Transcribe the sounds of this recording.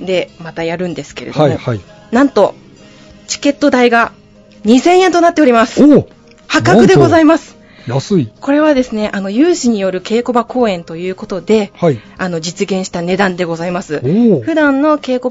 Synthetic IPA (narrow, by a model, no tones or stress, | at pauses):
d̪e̞mat̪ajaɾɯ̟̃nd̪e̞sɨ̥ke̞ɾedomoi | nãnt̪o̞ | t͡ɕi̥ke̞t̪ːo̞d̪aiɡa | ɲ̟isẽ̞ɰ̃ẽ̞nt̪onat̪ːe̞o̞ɾʲimasɨ̥ | hakakɯ̟d̪e̞ɡo̞zaimasɨ̥ | jasɨiko̞ɾe̞β̞ad̪e̞sɨne̞ʔano̞jɯ̟ːɕiɲ̟ijo̞ɾɯ̟ke̞ːko̞bako̞ːẽ̞nt̪o̞jɯ̟ːko̞t̪o̞d̪e̞haano̞d͡ʑit͡sɨɡẽ̞ɰ̃ɕi̥t̪ane̞d̪ãnd̪e̞ɡo̞zaimasɨɸɯ̟d̪ãnːo̞ke̞ːko̞